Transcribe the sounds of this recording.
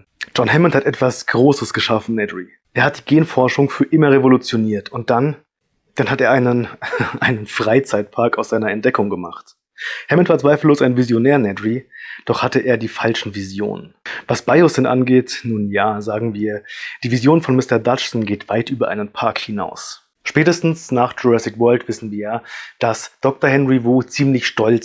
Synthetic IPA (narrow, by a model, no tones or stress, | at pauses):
d͡ʒ̥ɔnhɛmənthatʔɛtv̥asɡ̥ʁoːsəsɡ̥əʃafn̩nɛdʁi | ʔeːɐhat̚d̥iːɡeːnfɔɐʃʊŋfyːɐʔɪmɐʁevolut͡sjoniːɐtʰʊnt̚d̥an | d̥anhateːɐʔaɪnənʔaɪnənfʁ̥aɪt͡saɪt̚pʰaɐkaʊsz̥aɪnɐɛntd̥ɛkʊŋɡəma̰χt | hɛmntv̥aːt͡sv̥aɪfl̩lːoːsaɪnvizjonɛːɐnɛdʁid̥ɔχhatəʔeːɐdiːfalʃn̩vizjo̰ːnənvasb̥aɪʊsɛnʔa̰nɡeːtnuːnjaːzaːɡŋ̩viːɐd̥iːvizjoːnfɔnmɪstɐdat͡ʃsn̩ɡeːtv̥aɪtʔyːbɐʔaɪnənpʰaɐkhɪna̰ʊs | ʃpɛːtəstn̩snaːχt͡ʃuʁɛsɪkvœɐltv̥ɪsn̩viːɐjaːd̥asd̥ɔk̚tɐhɦɛnʁivuːt͡siːmlɪçʃtɔlt͡s